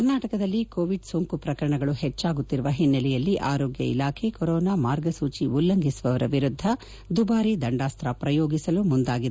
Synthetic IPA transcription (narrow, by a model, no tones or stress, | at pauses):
kɐɾnaːʈɐkɐd̪ɐlːikoːʋiɖsoŋkupɾɐkɐɾɐɳɐɡɐɭuhet͡ʃːaːɡut̪ːiɾuʋɐɦinːɐlɛjɐlːiʔaːɾoːɡjɐ̰ḭlaːkʰekoɾɔːnaːmaːɾɡɐsuːt͡ʃiulːɐŋɡʱisuʋɐʋɐɾɐʋiɾud̪ʱːɐ | d̪ubaːɾid̪ɐɳɖaːst̪ɾapɾɐjoːɡisɐlumund̪aːɡid̪e